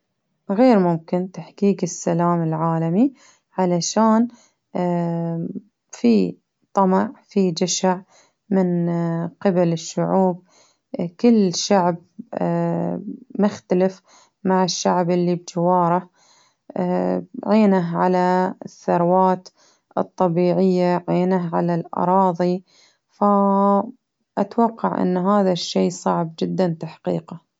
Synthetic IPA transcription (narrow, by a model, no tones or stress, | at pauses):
ɣeːɾmʊmkɪnt̪aħkiːɡɪsːalaːmɪlʕaːlami | ʕalaʃaːn | fi | t̪ˤɑmɑʕfid͡ʒaʃaʕ | mɪnqɪbalɪʃːʊʕuːb̚ | kɪlːʃaʕb | mʊxt̪alɪf | maʕɪʃːaʕbʔɪlːib̚d͡ʒawɑːɾˤɑ | ʕeːnaɦʕa̰laθːɑɾˤwɑːt̪ | ʔɨ̰t̪ˤːɑbiːʕɪjːaʕeːnaɦʕa̰lalʔɑ̰ɾˤɑːðˤi | fa | ʔat̪wɑqːɑʕʔɪ̰nːɦaːðaʃːeːsˤɑʕb̚d͡ʒɪd̪ːant̪aħqḭːqa